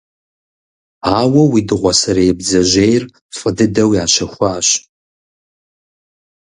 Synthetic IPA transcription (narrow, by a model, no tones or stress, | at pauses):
aːwɐwidɨʁʷɔsɐɾejɛbd͡zɐʒejr | fʼədɨdɐwiaːʃɐxʷaːɕ